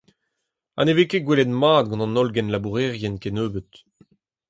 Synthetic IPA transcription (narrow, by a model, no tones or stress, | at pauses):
a̰nevekeɡwelɛt̪maːd̪̚ɡɑ̃nɑ̃nɔlɡɛnlabuʁɛʁjɛnkenøːbət̪